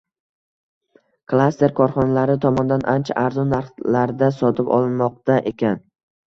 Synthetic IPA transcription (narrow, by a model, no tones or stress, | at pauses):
kʰlˠast̪e̞ɾkʰɒɾχɒnalaɾɪt̪ʰɒmɒnd̪anʔant͡ʃʰa̰ʔaɾzɒnːaɾχlaɾd̪asɒt̪ʰɪpɒ̰lˠnmɒq̚t̪aʔekʲʰan